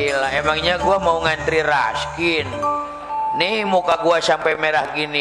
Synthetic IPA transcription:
ilaemaŋɲaɡuamauŋant̪ɾiɾaskin | nihmukaɡuasampɛmeɾahɡini

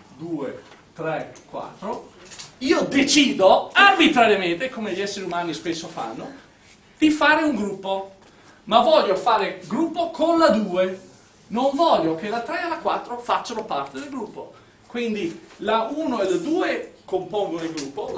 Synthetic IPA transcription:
d̪uːe | t̪ɾɛkwa̰t̪ːɾo | iːod̪et͡ʃiːd̪oarbit̪ɾaɾjament̪ekomeʎɛsːeɾiumaːnispesːofa̰nːo | d̪̥ifaːɾeuŋɡɾupːo | mavɔʎːofaːɾeɡɾupːokʰonlad̪uːe | noɱvɔʎːok̟elat̪ɾɛelakwa̰t̪ːɾofat͡ʃːanopart̪ed̪elɡɾupːo | kwind̪ilauːnoelad̪uːekompoŋɡonilɡɾupːo

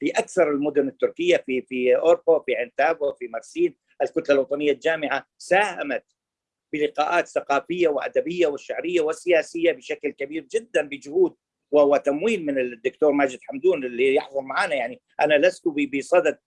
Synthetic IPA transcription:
fiʔakθɑɾˤɪlmʊd̪ʊnɪt̪ːʊɾkɪjːafifiʔoɾfafiʕɪnt̪aːbafimɑɾˤsiːn | ʔɪlkʊt̪lalwɑt̪ˤɑnɪjːald͡ʒaːmɪʕasaːhamat̪ | b̥ɪlɪqɑːʔaːt̪θaqɑːfɪjːawɪʔa̰d̪abɪjːawɪʃːaʕɾɪjːawɪsɪjaːsɪjːabɪʃaklkabiːɾd͡ʒɪd̪ːanbɪd͡ʒʊhuːd̪̚ | wɪhwɪt̪amwiːlmɪnɪd̪ːʊkt̪oːɾˤmaːd͡ʒɪd̪ħamd̪uːnɪlːijɪ̰ħðˤʊlmaʕaːnajaʕni | ʔanalaskubibisˤɑd̪ad̪̚

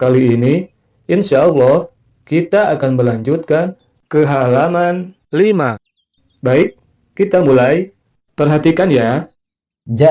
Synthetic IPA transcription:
kaliːni | inʃalːɔh | kit̪aakanməlaɲd͡ʒut̪̚kan | kəɦalaman | lima | baɪk̚ː | it̪amulaj | pərɦat̪ikanja | d͡ʒa

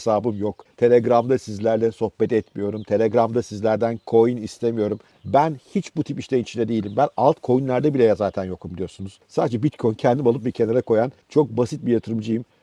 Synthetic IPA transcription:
saːbɯmjokt̪ʰe̞lʲeɡɾamd̪asizlʲæɾlʲɛso̞hbɛt̪ɛt̪mijo̞ɾumt̪ʰe̞lʲeɡɾamd̪asizlʲæɾd̪ænkʰo̞jinist̪ʰemijo̞ɾum | bænhit͡ʃbut̪ʰipiʃlʲenit͡ʃʰind̪ɛd̪e̞jilʲimbænalˠt̪kʰo̞junlʲˠæɾd̪ɛbilʲejazaːt̪ʰænjo̞k̚t̪umd̪ijo̞ɾsunuz̥saːd̪ed͡ʒɛbit̪kʰo̞jncʰɛnd̪imalˠɯp̚bicʰe̞naɾako̞jant͡ʃʰo̞k̚basit̪̚bijat̪ʰɯɾɯmd͡ʒɯjɯm

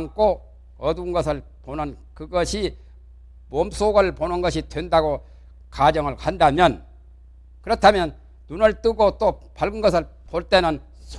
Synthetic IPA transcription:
ŋk͈o | ʌdunɡʌsʰɯɭ | ponɯnkɯɡʌɕʰi | moms͈ʰoɡɯɭponɯnɡʌɕʰitwendaɡo | kad͡ʑʌŋɯɭkandamjʌn | kɯɾʌtʰamjʌn | nunɯɭt͈ɯɡot͈opaɭɡɯnɡʌsʰɯɭ | poɭt͈e̞nɯn | sʰ

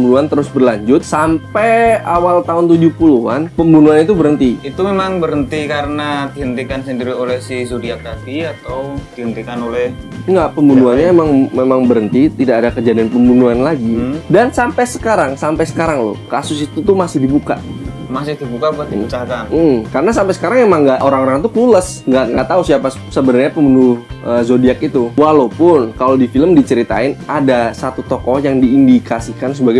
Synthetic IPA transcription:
əmbunuant̪əɾʊsbərlaɲd͡ʒʊt̪̚sampɛawalt̪aʊnt̪ud͡ʒʊhpulua̰npəmbunuanit̪ubəɾənt̪iit̪umemaŋbəɾənt̪ikaɾənadiɦənt̪ikansəndiɾiolɛhsɪhsodiat̪afiat̪awdihənt̪ikanolɛh | ŋɡaʔpəmbunuanɲaemaŋmemaŋbəɾənt̪it̪idaʔadakəd͡ʒadianpəmbunuanlaɡidansampɛjsə̥kaɾaŋsampajsə̥kaɾaŋlo̰kasʊsit̪ut̪umasɪhdibuka̰ | masɪdibukakaam̩kaɾənasampɛjsə̥kaɾaŋemaŋɡaʔoɾaŋoɾaŋt̪ukuləs | ŋɡaʔŋɡaʔt̪ausiapa | səbənarɲapəmbunuəzodiakit̪uwalopʊnkalodifiləmdit͡ʃəɾit̪a̰ɪnadasat̪ut̪ɔkɔhjaŋdiːndikasikansəbaɡaj

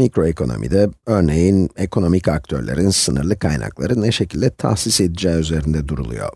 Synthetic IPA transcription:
mikɾo̞ekʰo̞no̞̰mḭd̪ɛø̞ɾne̞jinekʰo̞no̞micak̚t̪ʰø̞ɾlʲe̞̰ɾinsɯnɯ̰ɾlˠɯkʰajna̰klˠaɾɯnɛʃe̞cʰilʲd̪ɛt̪ʰa̰xsise̞d̪id͡ʒɛːyze̞ɾind̪ɛd̪uɾṵlˠṵjo̞̰

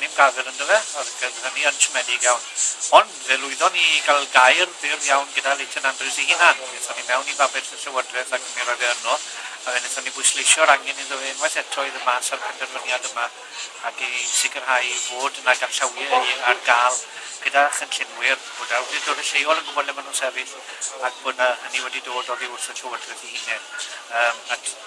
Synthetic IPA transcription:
nɪmɡavɛɾəndəvɛɔrɡ̥əðəniəntʰəmɛdɪɡjawnhɔnðɛlˠʊɨðɔniɡalˠɡajrbɪrjawnɡədalˠetʰənandrɪwsihiːnanɛnθɔnimɛwnivabɛtənɬɛwədrɛðaɡʰəmeɾɔðɛənɔ | avɛnɛnθɔnibʊjslˠejʃjɔɾaŋɛniðəvɪnwɛθɛtʰɔɨðəmaːsarpʰɛdɛrvənjadəma | akisɪkʰərhajvoːdnajdarɬəwjɛiarɡaːlˠ | ɡ̥ədaχənɬɪnwɪrb̥odaɾwɛdidoːdəɬejɔlˠənɡʊbɔnɛmanuːnsɛvɪɬ | ak̚ʰb̥ʊnahəniwɛdidoːdɔðiʊrθənɬəwədrɛðihiːnɛdəːma

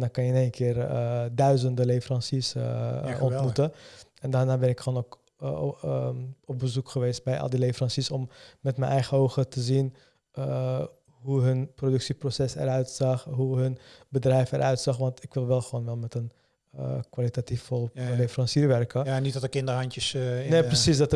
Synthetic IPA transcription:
ndɑnkɑnjəɪnenkɪːrədœɥzəndəlefərɑnsis | ɔnmutə | ɛndaːɹnaːbɛnɪkχoːnok | ɔp̚bəzukχəʋejst̚bɛjʔɑ̰lˠdilejfərɑnsisɔmːɛtmɛnʔɛjχəowχətəzin | ə | ɦuɦɵnprodɵksiprosɛsɛ̰ɾœɥtsɑχɦuɦɵnbədrɛjfɛ̰ɾʔœɥtsɑχʋɑntɪkʋɪlˠʋɛlˠχəʋownʋɛlˠnmɛtən | əkʋalitatifɔlˠlefəɾɑnsiːɹʋɛrkəanitdɔtəkɪndəɦɑntjəsneprəsisdɑtə

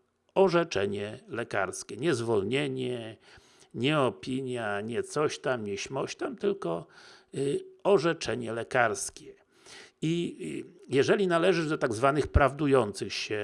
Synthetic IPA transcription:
ɔʐɛt͡ʂɛɲɛlɛka̰ɾskʲɛɲɛzvɔlɲeɲɛ | ɲɛɔpʲiɲjaɲɛt̪sɔɕt̪amɲɛɕmɔɕt̪amt̪ɘlkɔ | ɔʐɛt͡ʂɛɲɛlɛkaɾskʲɛ | i | jɛʐɛlʲinalɛʐɘd̪ɔt̪aɡzvanɘxpɾavd̪ujɔnt̪sɘxɕɛ

